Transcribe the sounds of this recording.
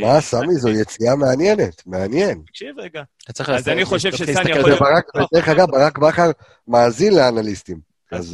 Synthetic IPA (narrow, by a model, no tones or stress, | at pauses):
maːsamizojet͡siameanje̞netmeanje̞nɡtatt͡sʁilzanioʃebaʁakbedeeχaɡavbaʁakbaχaʁ | maːzinleanalistim | az